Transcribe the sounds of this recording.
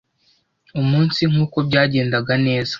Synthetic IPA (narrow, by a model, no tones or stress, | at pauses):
umuːnsiŋ̥huːko̞bɟaːɟe̞ːndaɡane̞ːzḁ